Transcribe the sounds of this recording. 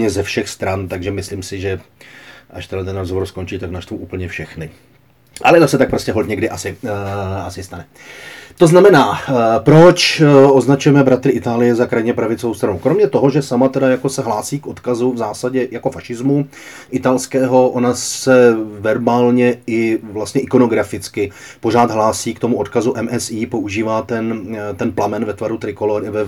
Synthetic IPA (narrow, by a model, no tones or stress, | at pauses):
ɲɛzɛfʃɛxst̪ɾant̪aɡʒɛmɪsliːmsɪʒɛ | ʔaʃt̪ɛdat̪ɛnɾozɦovo̞ɾsko̞nt͡ʃiːt̪aknaʃt̪vuʔuːpl̩ɲɛfʃɛxnɪ | ʔa̰lɛd̪asɛt̪ak̚pɾo̞scɛɦolt̪ɲɛɡdɪʔasɪ | asɪst̪anɛ | t̪o̞znamɛnaːpɾo̞t͡ʃʔo̞znat͡ʃujɛmɛbɾat̪ɾɪʔɪt̪aːlɪjɛzakɾajɲɛpɾavɪt͡sovo̞wst̪ɾanukɾo̞mɲɛt̪o̞ɦo̞ʒɛsamat̪ɛdajako̞sɛɦlaːsiːkʔo̞t̪kazuvzaːsaɟɛjako̞faʃɪzmu | ʔɪt̪alskɛːɦo̞ʔo̞nasɛvɛɾbaːlɲɛɪvlast̪ɲɛʔɪko̞no̞ɡɾafɪt͡skɪ | po̞r̝aːt̪ɦlaːsiːkt̪o̞muʔo̞t̪kazuʔɛmʔɛsiːpo̞ʔuʒiːvaːt̪ɛnt̪ɛnplamɛnvɛt̪vaɾut̪ɾɪko̞loɾɪvɛ